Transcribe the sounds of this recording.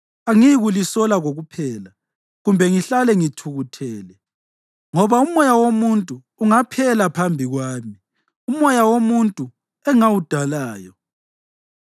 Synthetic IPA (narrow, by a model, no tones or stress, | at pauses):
aŋiɣulisɔlaɣoɣupʰɛːla | ɣumbʱɛŋiɬalɛŋitʰuɣutʰɛːlɛ | ŋɔβaumɔjawomuntʼuːŋapʰɛlapʰambʱiɣwaːmi | umɔjawomuntʼu | ɛŋawud̥ʱalaːjɔ